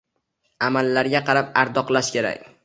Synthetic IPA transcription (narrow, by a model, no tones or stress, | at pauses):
amalːaɾɡʲaqʰɑɾapaɾd̪ɒqlˠaʃkʲʰeɾa̰kʲ